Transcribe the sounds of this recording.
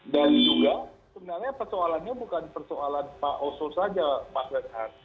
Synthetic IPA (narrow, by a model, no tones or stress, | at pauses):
danid͡ʒuɡasəbənarɲapərt̪oalanɲabukanpərtoalanpaʔososad͡ʒamaslənɦat